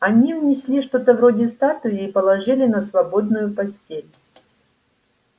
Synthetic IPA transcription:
ɐnʲivnʲɪsʲlʲiʂt̪o̞t̪əvro̞dʲɪst̪at̪ʊjɪipəlˠɐʐɨlʲɪnəsvɐbo̞d̪̚nʊjʊpɐsʲtʲelʲ

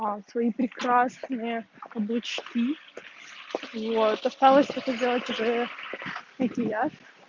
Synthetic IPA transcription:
asvɐipɾʲɪkɾasnɨjə | ɐblˠɨt͡ɕkʲi | vot̪t̪ɐst̪alˠəsʲt̪ɛt̪ədʲelˠətʲʊʐɛ | ɐkʲɪjat̪

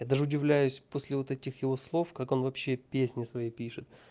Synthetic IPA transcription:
jad̪aʐɨʊdʲɪvlʲæjʉsʲposʲlʲɪvo̞t̪ɛtʲɪxjɪvo̞slˠo̞fkako̞nvɐpɕːe̞pʲesʲnʲɪsvɐjejpʲiʂɨt̪̚

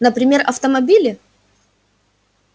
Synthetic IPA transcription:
nəpɾʲɪmʲe̞rɐft̪əmɐbʲilʲɪ

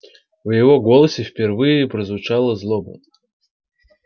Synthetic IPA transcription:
vjɪvoɡolˠəsʲɪfʲpʲɪrvɨjɪpɾəzvʊt͡ʃalˠəzlˠobʊ̰

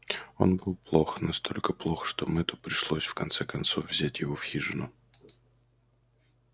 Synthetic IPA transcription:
o̞̰nbɨlˠplˠo̞xnɐst̪ʰo̞lʲkəplˠo̞xʂt̪omɛt̪ʊpɾʲɪʂlˠosʲfkɐnt̪sɛkɐnt̪sovvzʲætʲjɪvofxʲiʐɨnʊ

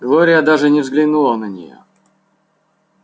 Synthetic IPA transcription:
ɡlˠɔɾʲɪjəd̪aʐɨnʲɪvzɡlʲɪnulˠənənʲɪ̰jo̰

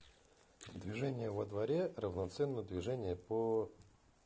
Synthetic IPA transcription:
d̪vʲɪʐɛnʲɪjəvəd̪vɐɾʲerəvnɐt̪sɛnːəd̪vʲɪʐɛnʲɪjəpə

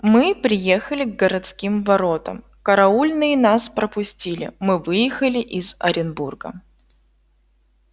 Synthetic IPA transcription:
mɨpɾʲɪjexəlʲɪɡɡəɾɐt̪skʲimvɐɾo̞t̪ə̰m | kəɾɐulʲnɨjɪnaspɾəpʊsʲtʲilʲɪ̰mɨvɨjɪxəlʲɪʔɪzɐ̰ɾʲɪnburɡə̰

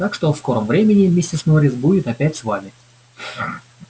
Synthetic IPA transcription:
t̪akʂt̪ofsko̞ɾəmvɾʲemʲɪnʲɪmʲɪsʲtʲɪsnoɾʲɪsbudʲɪt̪ɐpʲætʲsvamʲɪ

